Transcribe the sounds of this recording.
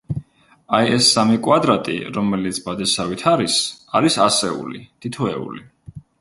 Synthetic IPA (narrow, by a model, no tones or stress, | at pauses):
ajɛsːamikʼwad̪ɾat̪ʼḭɾɔmɛlit̪sʰbad̪asavit̪ʰaɾisaɾisasɛṵlḭd̪̥ʰit̪ʰɔɛ̰ṵli